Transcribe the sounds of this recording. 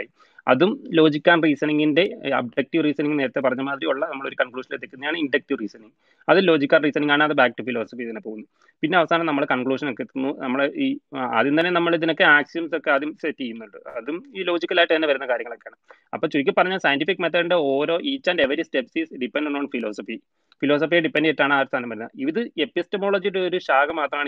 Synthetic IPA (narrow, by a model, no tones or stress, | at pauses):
ji | ɐ̰ðumlo̞ːd͡ʑikʲːaːnriːsɐniŋɡinde̞ɐ̰b̚ɖɐk̚ʈiʋriːsɐniŋɡne̞ːɾɐt̪ːep̬ɐrɐɲːumaːd̪ɾiuɭːɐnɐmːɐɭo̞ɾukɐnkɭuːʂɐnet̪ːekʲːunːɐðjaːɳɨiɳɖɐk̚ʈiʋriːsɐniŋɡ | ɐðilo̞ːd͡ʑikʲːaːnriːsɐniŋɡaːɳɨɐðɨbaːk̚ʈːufilo̞ːsɐfiiðinːepo̞ːɣunːu | pinːe̞ɐʋɐsaːnɐmnɐmːɐɭkɐnkɭuːʂɐno̞kːet̪ːunːunɐmːɐɭiːɐ̰ðint̪ɐnːenɐmːɐɭiðino̞kːeaːksijɐmso̞kːeɐðumset̪ːijːunːuɳɖɨɐðumilo̞ːd͡ʑikʲːɐlaːjʈːɨt̪ɐnːeʋɐɾunːɐkaːɾjɐŋːɐɭo̞kːeaːɳɨ | ɐpːoːɭt͡ɕuɾikʲːɨpɐrɐɲːaːlsɐjɐntifikːmet̪ʰːɐɖɐɳɖeo̞ːɾo̞ːʔiːt͡ɕːaːndeʋɐɾistepsisɖipːenɖoɳːonfilo̞ːsɐfi | filo̞ːsɐfijeɖipːenɖietːaːɳɨaːɾst̪ʰaːnɐmʋɐɾunɐiʋiðɨe̞pːistɐmo̞ːɭoːd͡ʑijuɽeoɾuɕaːɡɐmaːt̪rɐmaːɳ